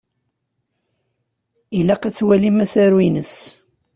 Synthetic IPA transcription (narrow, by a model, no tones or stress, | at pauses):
ilæqæt͡sːwælimæsæɾwinəs